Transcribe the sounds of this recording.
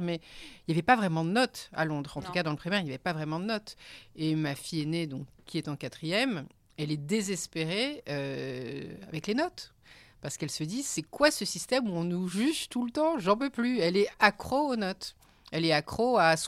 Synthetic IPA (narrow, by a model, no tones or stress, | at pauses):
mɛiljavɛpavʁɛmɑ̃d̪ənɔt̪a̰lɔ̃d̪ʁɑ̃t̪u̥kad̪ɑ̃ləpχimɛʁiljavɛpavʁɛmɑ̃d̪ənɔt̪emafijened̪ɔ̃kːiɛt̪ɑ̃kat̪χijɛm | ɛlɛd̪ezɛspeʁeø | a̰vɛklenɔt̪ | paʁsə̥kɛlsəd̪isɛkwasəsist̪ɛmuɔ̃nuʒyʒt̪ult̪ɑ̃ʒɑ̃pøplyɛlɛakχoonɔt̪ | ɛlɛakχoas